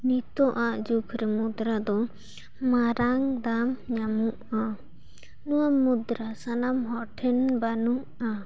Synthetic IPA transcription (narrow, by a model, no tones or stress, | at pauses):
nit̪ɔʔaʔd͡ʒukʰɾɛmud̪ɾad̪ɔ | maɾaŋd̪amɲamuʔa | nuwamud̪ɾasanamɦɔʈʰɛnbanuʔa